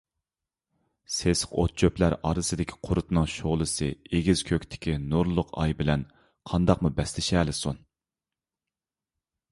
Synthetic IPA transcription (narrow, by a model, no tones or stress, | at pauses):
sesəqo̰t̪̚t͡ʃʰøplæɾɑɾɨsɨd̪ɪkʲʰi̥qʰʊɾʊt̪nɨŋʃoʁlˠɨsɨeɡʲiz̥kʲʰøkʲt̪ʰɪ̥kʲinuɾlˠʊqɑ̰jbɪlɛn | qʰɑnd̪ɑqmubɛslɪʃɛːlɪsun